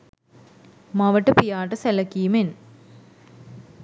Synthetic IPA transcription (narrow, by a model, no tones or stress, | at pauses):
mɐʋəʈːəpijaːʈəselɐkːijumen